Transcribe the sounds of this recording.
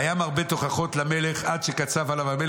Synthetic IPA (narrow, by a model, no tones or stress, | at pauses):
jamaʁbe̞t̪o̞χaχo̞t̪lamele̞χadʃekat͡savalavamel